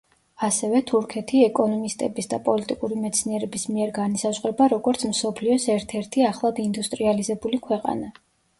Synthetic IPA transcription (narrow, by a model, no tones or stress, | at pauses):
asɛvɛt̪ʰuɾkʰɛt̪ʰiɛkʼɔnɔmist̪ʼɛbisd̪apʼɔlit̪ʼikʼuɾimɛt̪sʰniɛɾɛbismiɛɾɡanisazʁɾɛbaɾɔɡɔɾt̪sʰmsɔpʰliɔsɛɾt̪ʰɛɾt̪ʰiaχlˠad̪ind̪ust̪ʼɾializɛbulikʰwɛqʼa̰na